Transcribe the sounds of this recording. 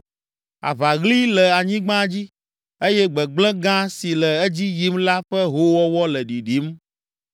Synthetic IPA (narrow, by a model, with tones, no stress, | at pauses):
a̰˨va˨ɣli˦lɛ˨a˨ɲĩ˦ɡ͡bã˦d͡ʑi˦ | e˦jɛ˦ɡ͡bɛ˨ɡ͡blɛ̃˦ɡã˦si˨lɛ˨ɛ˦d͡ʑi˦ji˦mla˦ɸɛ˦ɦo˦wɔ˦wɔ˦lɛ˨ɖi˨ɖi˨˦m